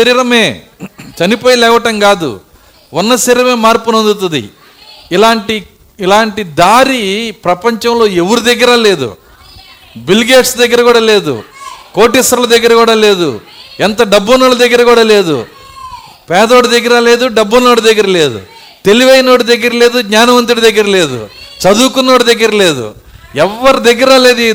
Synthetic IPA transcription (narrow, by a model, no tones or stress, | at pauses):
sɐɾiːɾɐmeː | t͡ʃɐnipoːjɐlɛːʋɐʈɐŋɡaːd̪ṵ | onːɐsiːɾɐme̞ːmaːɾpunond̪ut̪̬ɐd̪ḭ | ilaːɳʈiː | laːɳʈid̪aːɾipɾɐpɐɲt͡ʃɐmlo̞ːeʋɐɾud̪eɡːɐɾɐle̞ːd̪ṵ | bilɡeːʈsd̪ɐɡːɐɾɐkuːɽɐleːd̪ṵkoːʈisɐɾɐlɐd̪ɐɡːɐɾɐkuːɽaːle̞ːd̪ṵɛnt̪ɐɖɐbːunɐːlɐd̪ɐɡːɐɾɐkuːɽaːle̞ːd̪ṵ | pɛːd̪o̞ːɽud̪ɐɡːɐɾɐle̞ːd̪uɖɐbːunoːɽud̪ɐɡːɐɾɐle̞ːd̪ṵ | t̪e̞liʋɐjno̞ːɽud̪ɐɡːɐɾɐle̞ːd̪uɡɲaːnɐmɐnt̪uɽid̪ɐɡːɐɾɐle̞ːd̪ṵt͡ʃɐd̪uːkunːo̞ːɽud̪ɐɡːɐɾɐle̞ːd̪ṵ | ɛʋːɐɾud̪eɡːɐɾale̞ːd̪u